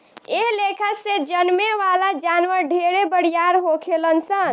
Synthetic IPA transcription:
eɦlekʰəksed͡ʒənmeʋalad͡ʒanʋəɾɖʱeɾebəɽ̤ijaɾɦokʰelənsən

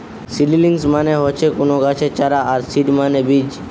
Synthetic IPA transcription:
sililiŋsmaneɦɔt͡ʃʰekonoɡat͡ʃʰet͡ʃaɾaːɾsiɖmanebid͡ʒ

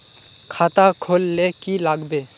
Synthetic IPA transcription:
kʰaːt̪akʰoːlːeːkilaːɡbeː

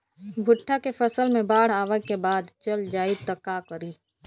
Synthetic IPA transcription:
bʱʊʈʰːakefəsəlmẽbaːɽ̤aːʋəkebaːd̪t͡ʃəld͡ʒaːit̪əkakəɾiː

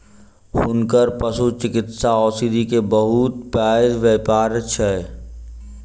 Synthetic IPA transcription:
hʊnkəɾpəsut͡ʃɪkɪt̪saɔːsid̪ʱikebəɦut̪paːɪd̪ʋeːpaːɾət͡ʃʰɛ

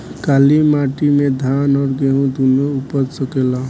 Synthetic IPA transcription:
kalimaʈimed̪ʱanɔɾɡeɦũd̪ʱunoupəɾsəkela

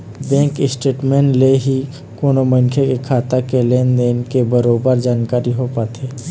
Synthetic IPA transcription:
bɛ̃ːŋkɪsʈeːʈmẽːnleɦi | koːnomənkʰekekʰaːt̪akelend̪eːnkebəɾoːbəɾd͡ʒaːnkaːɾiɦopaːt̪ʰeː

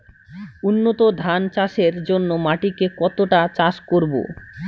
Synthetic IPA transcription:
unːot̪od̪ʱant͡ɕaʃeɾd͡ʑonːomaʈikekɔt̪oʈat͡ɕaʃkoɾbo̰

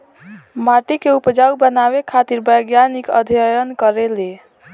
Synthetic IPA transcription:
maʈikeupd͡ʒaubənaβekʰat̪iɾbəjɡjanikə̰d̪ʱijəjənkəɾele

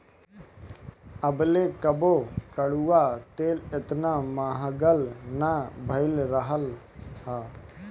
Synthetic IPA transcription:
əbleːkəboːkəɽuːat̪eːlɪt̪naːmaːɦɡəlnaːbʱəɪlɾəɦəl | haː

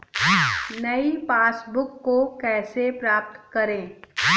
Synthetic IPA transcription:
nɐipaːsbʊkːokɛːsepɾaːp̚t̪kɐɾẽː

